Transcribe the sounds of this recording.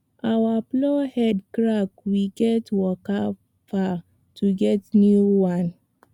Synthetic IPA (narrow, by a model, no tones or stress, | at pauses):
ʔawablɔhɛdkɹakwiɡɛtwɔka | fa | tʰuɡɛtnjuwãn